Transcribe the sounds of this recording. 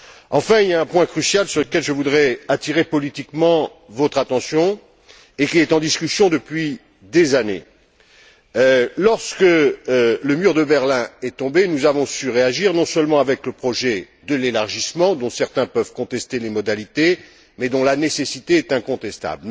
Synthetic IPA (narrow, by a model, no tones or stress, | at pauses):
ɑ̃fɛ̃iljaɛ̃pwɛ̃kχysjalsyʁləkʲɛlʒəvud̪ʁɛat̪iʁepɔlit̪ikmɑ̃ | vɔt̪χat̪ɑ̃sjɔ̃ | ekʲiɛt̪ɑ̃d̪iskʲysjɔ̃d̪əpɥi | d̪ezanḛ | lɔʁskə | ləmyʁd̪əbɛʁlɛ̃ɛt̪ɔ̃benuzavɔ̃syʁeaʒiʁnɔ̃sœlmɑ̃avɛkləpχɔʒɛ | d̪əlelaʁʒismɑ̃d̪ɔ̃sɛʁt̪ɛ̃pœvkɔ̃t̪ɛst̪elemɔd̪alit̪e | mɛd̪ɔ̃lanesesit̪eɛt̪ɛ̃kɔ̃t̪ɛst̪a̰bl